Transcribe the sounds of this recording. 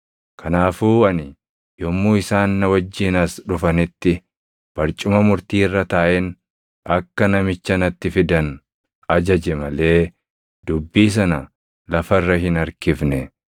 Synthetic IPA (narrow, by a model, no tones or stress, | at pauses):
kʰɐnaːfuːɐnɪ | jɔmːuːɪsaːnːɐwɐd͡ʒːɪnɐsᶑʊfɐnɪt̪ːɪ | b̥ɐɾt͡ʃʼʊmɐmʊɾt̪iːrːɐt̪aːʔɛn | ɐkːɐnɐmɪt͡ʃːɐnɐt̪ːɪfɪd̪ɐn | ɐd͡ʒɐd͡ʒɛmɐle̞ː | d̪̥ʊbːiːs̬ɐnɐ | lɐfɐrːɐɦɪnɐɾkɪfnɛ